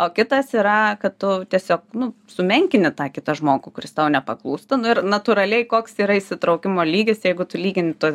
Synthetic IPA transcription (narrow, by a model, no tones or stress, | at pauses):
oːkʲɪt̪ɐsiːɾɐkɐttʊt̪ʲiɛsʲoːk̚nʊsʊmʲɛŋʲkʲɪnʲɪt̪ɑːkʲɪt̪ɐʒmoːɡʊkʊɾʲɪst̪ɐʊnʲɛpɐklˠuːst̪ɐnʊɪrnɐt̪uɾɐlʲɛɪkoːksiːɾɐisʲɪt̪ɾɐʊkʲɪmoːlʲiːɡʲɪsjɛɪɡʊt̪ʊlʲiːɡʲɪnʲɪt̪uɔs